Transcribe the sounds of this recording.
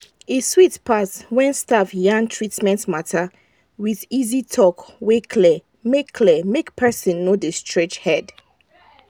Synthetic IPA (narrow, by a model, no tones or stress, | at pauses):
eswitpʰaswɛ̃nstavjãŋtʰɹitmɛ̃ntmatʰa | wiðizitʰɔkwekʰlɛ | mekʰːlɛmekpʰɛsĩnːodəstʰɹet͡ʃhɛd